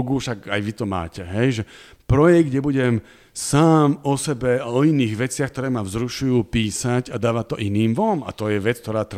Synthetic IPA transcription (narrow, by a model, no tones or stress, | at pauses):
ɡufʃaɡajʋit̪ɔma̰ːcɛɦɛjʒɛ | pɾɔjɛɡ̚d̪ɲɛbuɟɛm | saːmɔsɛbɛaɔiniːɣʋɛt͡sɪaxk̚t̪ɔɾɛːmavzɾuʃujuːpiːsaɟad̪aːʋat̪ːɔʔiniːmʋɔma̰t̪ɔjɛʋɛt͡skt̪ɔɾaːt̪ɾ